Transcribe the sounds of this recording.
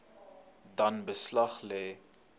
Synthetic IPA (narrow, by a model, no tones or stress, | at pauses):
dɐnbəslɐχlɛː